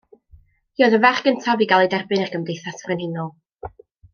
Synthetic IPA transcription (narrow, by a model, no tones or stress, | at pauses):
jɔðəvaχɡ̥əntʰaviɡalˠɛdɛrbɨnarɡəmdejθasvrɛnhɪnɔlˠ